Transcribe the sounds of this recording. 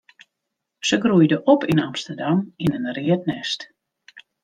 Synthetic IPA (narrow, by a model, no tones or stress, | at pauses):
səɡrujdəʔɔpinamstərdaminənriət̚nɛst